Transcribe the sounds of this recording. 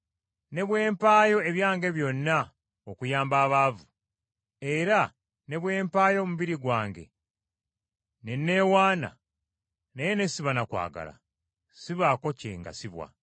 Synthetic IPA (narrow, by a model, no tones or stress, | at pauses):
ne̞βwe̞ːmpaːjo̞e̞βjaːŋɡe̞βjo̞nːa | okujaːmbaːβaːvu | e̞ɾa | ne̞βwe̞ːmpaːjo̞ːmuβiɾiɡwaːŋɡe̞̰ | ne̞nːe̞waːna̰ | nejene̞siβanakwa̰ːɡa̰la̰ | siβaːko̞cḛŋɡa̰siβwa̰